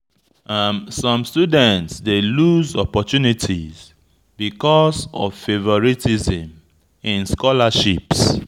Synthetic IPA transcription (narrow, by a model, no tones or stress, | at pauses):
amsɔ̃mstudɛ̃ntsdeluzɔpɔtunitʰḭz | bikɔsɔ̰vfevɔɹitizĩm | ĩnskɔlaʃips